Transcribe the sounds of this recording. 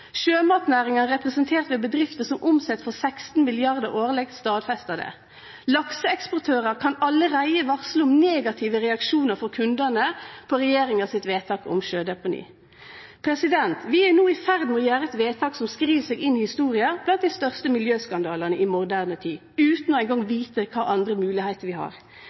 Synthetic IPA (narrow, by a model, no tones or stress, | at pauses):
ʃøːmɑːt̪næːʁɪŋənəʁɛpʁɛsənt̪ʰeːʁt̪ʋɛːbəd̪ʁɪft̪əsɔmʔʊmsɛt̪ːfɔʁsækst̪n̩mɪlɪɑʁd̪əʁoːʁlɛɡ̪st̪ɑːd̪fɛst̪ɑd̪ə̰ | lɑksəɛkspɔʁt̪ʰøːʁəʁkʰɑnɑlːəʁæɪəʋɑʁsləʊmneːɡɑt̪ʰɪʋəʁɛɑkʃuːnəʁfɔʁkʰʉnd̪ənəpʰɔʁɛjeːɾɪŋɑsɪt̪ʋeːt̪ʰɑːkɔ̰mʃøːd̪ɛpʊnḭː | pʰɾɛsɪd̪ɛnt̪ʋɪænuːɪfæʁd̪nmɛɔːjæːɾəɛt̪ʋeːt̪ʰɑːksɔmskɾiːʋsɛːɡɪnːɪhɪst̪uːʁɪɑb̥lɑnt̪̚d̪ɪst̪œʁst̪əmɪljøːskɑnd̪ɑːləʁnəʔɪmʊʁd̪æːʁnət̪ʰiː | ʉːt̪nɔæɪnɡɑŋʋiːt̪əkʰɑːʔɑnd̪ɾəmʉːlɪhæɪt̪əɾʋɪhɑ̰ːʁ